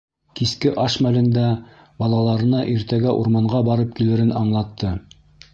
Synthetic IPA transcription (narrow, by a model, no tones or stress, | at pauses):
kiskɘʔɑʃmælɘ̆nd̪æ | bɑlˠɑlˠɑɾɤ̆nɑʔiɾt̪æɡæʔuɾmɑɴɢɑbɑɾɤp̚kilɘ̆ɾɘnɑɴlˠɑt̪ʰːɤ